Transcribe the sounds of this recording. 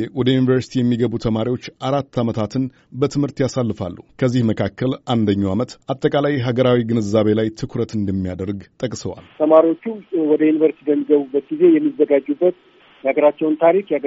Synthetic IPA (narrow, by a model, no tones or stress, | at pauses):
wɔd̪əjunivəɾsi̥t̪ʰijɛmːiɡəβut̪ʰəmaɾiwo̞t͡ʃːʔaɾat̪ːamət̪ʰat̪ɨn | bət̪ʰɨmhɨɾt̪jasalːɨfalːukʰəzːihməkʰakːəlʔand̪əɲːawamət̪ʔat̪ʼːəkʼalajɦaɡəɾawiɡɨnɨzːaβe̞lajt̪ʰɨkʰɾət̪ɨnd̪əmːijad̪əɾɡt̪ʼəkʼsəwa̰lt̪ʰəmaɾiwo̞t͡ʃːuwɔd̪əjunivəɾst̪ʰidəmːiɡəβubːət̪̚ɡize̞jɛmːizːəɡad͡ʒʼːubːət̪ | jɛhaɡəɾat͡ʃːɛwnt̪ʰaɾikjaɡ